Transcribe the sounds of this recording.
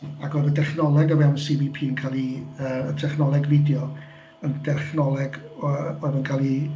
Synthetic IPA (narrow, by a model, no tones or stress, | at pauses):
akʰɔjvədɛχnɔlˠɛɡɔvɛwnsivipʰiːnkʰalˠiəːətʰɛχnɔlˠɛɡvɪdjɔ | əndɛχnɔlˠɛɡɔɨvənkʰalˠi